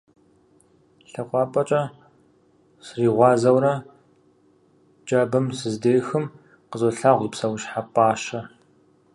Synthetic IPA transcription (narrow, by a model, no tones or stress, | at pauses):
ɬɐqʷʼɑːpʼɐt͡ʃʼɐ | sriːʁʷɑːzɐwrɐ | d͡ʒʼɐːbɐmsɨzdeːjxɨm | qəzɔɬaːʁʷipsɐwʃħapʼaːʃɐ